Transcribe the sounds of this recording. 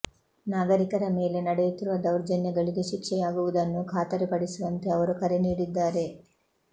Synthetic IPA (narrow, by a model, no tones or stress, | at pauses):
naːɡɐɾikɐɾɐme̞ːle̞nɐɽejut̪iɾuʋɐd̪ɐwɾd͡ʒɐnjɐɡɐɭiɡeʃikʂɛjaːɡuʋud̪ɐnːukʰaːt̪ɐɾepɐɽisuʋɐnt̪e̞ɐʋɐɾukɐɾeniːɽid̪ːaːɾe̞